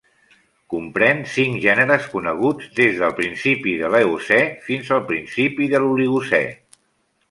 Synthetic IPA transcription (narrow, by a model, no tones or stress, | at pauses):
kumpɾɛnsiŋʒɛnəɾəskunəɣ̞ud͡zd̪ezðəlˠpɾinsipiðələusɛfinzəlˠpɾinsipiðəluliɣusɛ̰